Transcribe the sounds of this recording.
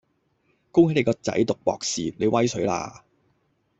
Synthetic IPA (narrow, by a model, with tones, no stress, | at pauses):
ko˥wha˨˥ne˨˧kɔː˧t͡sɐ̰˨˥jt̪ʊ˨k̚pɔ̰ː˨k̚siː˨ne˨˧jwɐ˥jsɵ˨˥ɥla̰ː˧